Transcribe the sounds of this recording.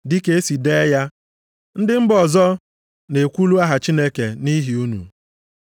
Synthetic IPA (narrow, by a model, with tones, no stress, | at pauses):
dɪ˦ke˦si˨de˦ja˦ | n̩˦dɪ˦m̩˦bɔ˨zɔ˦ | ne˨kʷu˦lu˦a˦ɦa˨t͡ʃi˦ne˦ke˨ni˦ɦi˨u˦nṵ˨